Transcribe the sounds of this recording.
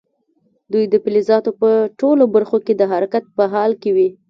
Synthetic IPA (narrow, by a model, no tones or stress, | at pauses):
d̪ujd̪əpɪlizɑt̪opəʈolobəɾxoked̪əɦaɾakat̪̚pəɦɑlkewi